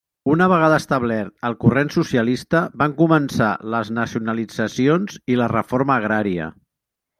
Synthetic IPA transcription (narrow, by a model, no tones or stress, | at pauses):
unəβəɣaðəst̪əβlɛɾt̪əlˠkurensusiəlist̪əbaŋkumənsa̰ləznəsiunəlid͡zəsionzilərəfoɾməːɣɾaɾiə̰